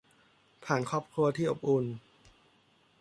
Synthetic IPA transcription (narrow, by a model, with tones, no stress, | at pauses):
pʰaː˨˩nkʰɔː˥˩p̚kʰɾu˧ɐt̪ʰiː˥˩ʔo˨˩p̚ʔu˧n